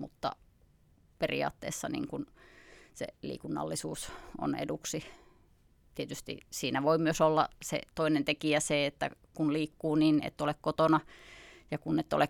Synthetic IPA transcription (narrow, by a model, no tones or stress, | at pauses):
mut̪ːɑ̰ | perḭɑ̰ːt̪ːḛːsːɑnḭːŋkunsḛlḭːkunːɑ̰lːisuːso̰nḛduksi | t̪iet̪yst̪ḭsiːnæʋoimyøsolːɑ̰sḛt̪oinent̪ekiæseet̪ːæ̰kunliːkːuːninḛt̪ːolekkot̪onɑjɑkunːet̪ːo̰le